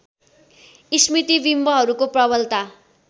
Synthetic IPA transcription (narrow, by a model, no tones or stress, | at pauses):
ismit̪ibimbʌɦʌɾukoprʌβʌlt̪a